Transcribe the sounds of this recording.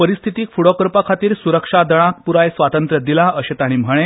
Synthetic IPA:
pəɾist̪ʰit̪iːkfuɽɔkəɾpakʰat̪iːɾsuɾəkʂad̪əɽ̃ãk̚puɾajsʋat̪ənt̪ɾəd̪ilaəɕet̪aɽ̃im̤əɭ̃ẽ

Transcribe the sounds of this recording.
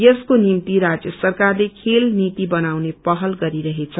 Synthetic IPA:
jʌskonimt̪iɾad͡zjʌsʌrkarlekʰelnit̪ibʌnawnepʌɦʌlɡʌɾiɾʌɦet͡sʰʌ

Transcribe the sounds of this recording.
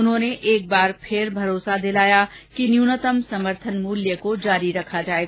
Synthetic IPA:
ʊnɦõːneʔeːk̚baːɾpʰɪɾbʱɐɾoːsad̪ɪlaːja | kinjuːnət̪əmsɐməɾt̪ʰənmuːljəkod͡ʒaːɾiɾɐkʰad͡ʒaːeːɡa

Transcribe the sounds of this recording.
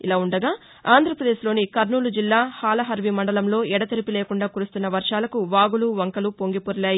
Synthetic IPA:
ilaːuɳɖɐɡaː | aːnd̪ʱɾɐpɾɐd̪e̞ːʃlo̞ːnikɐɾnuːlud͡ʒilːaːhaːlɐɦɐɾʋimɐɳɖɐlɐmlo̞ːɛɽɐt̪ɐɾipileːkuɳɖaːkuːɾust̪unːɐʋɐɾʂaːlɐkuʋaːɡuluʋɐŋkɐlupo̞ŋɡipoɾɐlaːji

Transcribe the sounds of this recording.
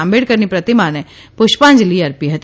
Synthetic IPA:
ãmbeɽkəɾnipɾət̪imanɛ̃ | pʊʃpãːnd͡ʒliɐɾpiɦət̪

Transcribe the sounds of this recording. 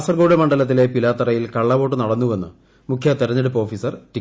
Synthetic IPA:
sɐrɡoːɽɐmɐɳɖɐlɐt̪̬ːile̞pilaːt̪ːɐrɐjilkɐɭːɐʋo̞ːʈːɨnɐɽɐnːuʋe̞nːɨ̰ | mukʰjɐt̪eɾɐɲːeɽupːo̞ːfisɐrti

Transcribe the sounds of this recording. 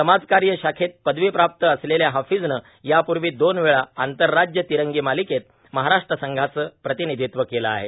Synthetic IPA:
səmad͡zkaɾjəɕakʰet̪̚pəd̪ʋipɾap̚t̪əːsleljaɦafid͡znə | japuɾʋiːd̪onʋeɭaːnt̪əɾːad͡ʑjət̪iɾəŋɡiːmaliket̪̚ | məɦaɾaʂʈɾəsəŋɡʱat͡səpɾət̪inid̪ʱit̪ʋəkelaa̰ɦḛ

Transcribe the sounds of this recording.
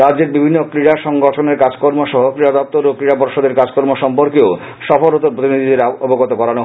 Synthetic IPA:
ɾadd͡ʑeɾbibʱinːokɾiɽaʃɔŋɡɔʈʰoneɾkad͡ʑkoɾmoʃɔɦokɾiɽad̪ɔp̚t̪oɾokɾiɽapɔɾʃod̪eɾkad͡ʑkɔɾmoʃɔmpoɾkeo | ʃɔfoɾot̪opɾot̪inid̪ʱid̪eɾoboɡot̪okɔɾano

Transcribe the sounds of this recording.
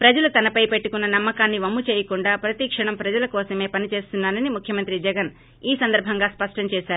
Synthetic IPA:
pɾɐd͡ʒɐlut̪ɐnɐpɐjpe̞ʈːukunːɐnɐmːɐkaːnːiʋɐmːut͡ʃɛːjɐkuɳɖaːpɾɐt̪iːkʂɐɳɐmpɾɐd͡ʒɐlɐkɔːsɐme̞ːpɐnit͡ʃe̞ːst̪unːaːnɐnimukʰjɐmɐnt̪ɾid͡ʒɛɡɐn | iːsɐnd̪ɐɾbʱɐŋɡaːspɐʂʈɐmt͡ʃɛːʃaːɾuu

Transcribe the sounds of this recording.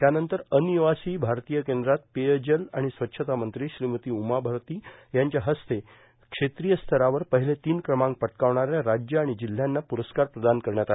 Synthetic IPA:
t̪janənt̪əɾəniʋasiːbʱaɾt̪ijəkend̪ɾat̪̚pejəd͡ʑəlaɽ̃isʋətːɕʰət̪amənt̪ɾiːɕɾimət̪iːumabʱəɾt̪iːjaɲt͡ɕjaɦəst̪e | kʂet̪ɾijəst̪ʰəɾaʋəɾpəɦilet̪iːnkɾəmãŋk̚pəʈkaʋɳaɾjaɾad͡ʑjəaɽ̃id͡ʑil̤ːjanːapuɾəskaɾpɾəd̪ankəɾɳjat̪a

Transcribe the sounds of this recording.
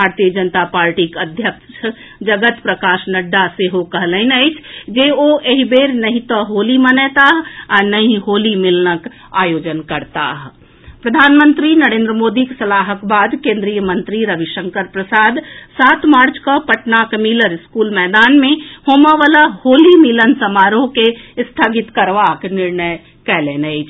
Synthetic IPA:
bbʱaɾt̪ijəd͡ʒənt̪apaɾʈikəd̪ʱjəkʃ | d͡ʒəɡət̪pɾəkaʃnəɖːaseɦokəɦləɪnəɪt͡ʃʰd͡ʒeoeɦibeɾnəɦĩt̪əɦolimənɛt̪aɦanəɦĩɦolimilnək | a̰jod͡ʒənkəɾt̪a̰ɦ | pɾəd̪ʱaːnmə̃nt̪ɾinəɾẽːnd̪ɾəmoːd̪iksɐlaːɦəkbaːd̪kẽːnd̪ɾijəmə̃nt̪ɾiɾəʋiʃəŋkəɾpɾəsaːd̪saːt̪ʰmaːɾt͡ʃkəpəʈnakmiləɾɪskuːlmɛːd̪aːnmẽhoːməʋaːlahoːlimɪlənsəmaːɾõkest̪ʰaːɡɪt̪kəɾʋaknɪɾnəj | kɛːleːnəɪt͡ʃʰ

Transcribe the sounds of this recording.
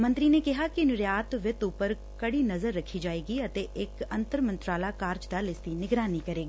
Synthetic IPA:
mə̃nt̪ɾinekɪɦakinʊɾjaːt̪ʋɪt̪upəɾ | kɐɽinɐzəɾːɐkʰːid͡ʒaːeːɡiɐt̪eːɪkɐ̃nt̪əɾmə̃nt̪ɾaːlaːkaːɾd͡ʒd̪aːlɪst̪inɪɡɾaːnikəɾeːɡiː

